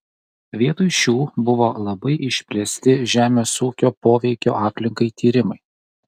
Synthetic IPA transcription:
ʋʲiɛt̪ʊɪʃʲuːbʊʋoːlˠɐbɐɪʔɪʃʲpʲlʲɛsʲt̪ʲɪʒʲæːmʲeːsuːkʲoːpoːʋʲɛɪkʲo̰ːʔɑːpʲlʲɪŋkɐɪt̪ʲiːɾʲɪmɐɪ

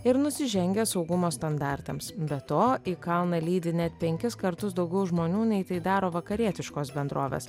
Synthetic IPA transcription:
ɪɾnʊsʲɪʒʲɛŋʲɡʲɛːsɒʊɡʊmoːst̪ɐnd̪ɑˑɾʲt̪ɐmsbʲɛt̪oːiːkɐlˠnɐlʲiːd̪ʲɪnʲɛt̪pʲɛŋʲkʲɪskɐɾt̪ʊsd̪ɒʊɡʲɛʊʒmoːnʲuːnʲɛɪt̪ɐɪd̪ɑːɾoːʋɐkɐɾʲiɛt̪ʲɪʃkoːsbʲɛnd̪ɾʔoːʋʲḛːs

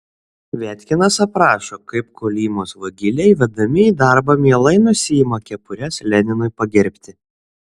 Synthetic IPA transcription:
ʋʲæːt̪ʲkʲɪnɐsɐpɾɑːʃoːkɐɪp̚koːlʲiːmoːsʋɐɡʲɪlʲɛɪʋʲɛd̪ɐmʲɪiːd̪ɑɾbɐmʲiɛlˠɐɪnʊsʲɪjimɐkʲɛpʊɾʲɛslʲɛnʲɪnʊɪpɐɡʲɛɾʲpʲt̪ʲɪ

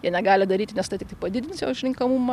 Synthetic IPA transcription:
jɛnʲɛɡɑːlʲɪd̪ɐɾʲiːt̪ʲɪnʲɛst̪ɐɪt̪ʲɪkt̪ɐɪpɐd̪ʲɪd̪ʲɪnsjo̰ːʊʃʲɾʲɪŋkɐmumɐ

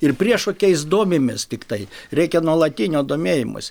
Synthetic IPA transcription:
ɪrpʲrʲiɛʃoːkʲɛɪsd̪oːmʲɪmʲɪst̪ʲɪkt̪ɐɪɾʲɛɪkʲɛnuɔlˠɐt̪ʲinʲoːd̪oːmʲeːjɪmʊ̰s

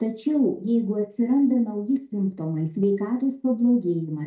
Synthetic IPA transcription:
t̪ɐt͡ʃʲɛʊjɛɪɡʊɐt̪ʲsʲɪɾɐnd̪ɐnɐʊjɪsʲɪmpt̪oːmɐɪsʲʋʲɛɪkɑːt̪oːspɐblˠoːɡʲeːjɪmɐ

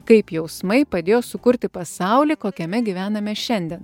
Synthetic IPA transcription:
kɐɪpjɛʊsmɐɪpɐd̪ʲeːjoːsʊkʊɾʲt̪ʲɪpɐsɐˑʊlʲiːkoːkʲɛmʲɛɡʲiʋʲæːnɐmʲɛʃʲɛnʲd̪ʲɛn

